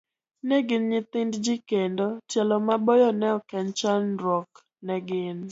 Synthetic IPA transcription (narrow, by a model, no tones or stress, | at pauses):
nɛɡɪnɲɪt̪ɪndd͡ʒikendotjɛlɔmabɔjɔnɛɔkɛnt͡ʃanɾɔk | nɛɡɪn